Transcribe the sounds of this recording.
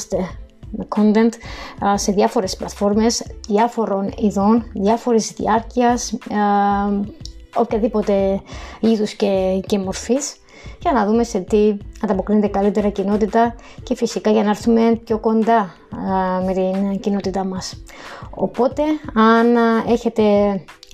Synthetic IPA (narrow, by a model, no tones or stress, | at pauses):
st̪e̞ | mekʰo̞nt̪e̞nt̪se̞ðiɐfo̞ɾe̞splɐt̪fo̞ɾme̞sðiɐfo̞ɾo̞niðo̞nðjɐfo̞ɾizðḭɐɾciɐs | o̞pçɐðipo̞t̪e̞iðusce̞ce̞mo̞ɾfis | ʝɐnɐðume̞se̞t̪iɐnd̪ɐpo̞kɾinet̪ekɐlit̪e̞ɾɐcino̞t̪it̪ɐ | ce̞fisikɐʝɐnɐeɾθume̞pço̞ko̞nd̪ɐ | me̞t̪incino̞t̪it̪ɐmɐso̞̰po̞t̪e̞ɐne̞çe̞t̪e̞